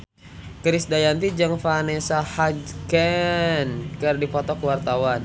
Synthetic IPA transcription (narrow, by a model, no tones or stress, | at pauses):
kɾɪsdajant̪id͡ʒəŋfanesahad͡ʒkɛnkərdipɔt̪ɔkəwart̪awan